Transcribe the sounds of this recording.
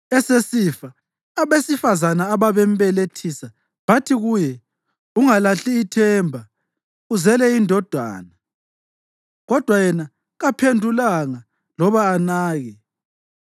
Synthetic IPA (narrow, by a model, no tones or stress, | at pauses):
ɛsesifaː | βesifazanaːβaβɛm̩βɛletʰisa | βatʰiɣujɛ | uŋalaɬiːtʰɛmbʱa | uzɛlɛindʱɔd̥ʱwa̰ːna | ɣɔd̥ʱwajɛna | ɣapʰendʱulaŋa | lɔβaːnaːɣɛ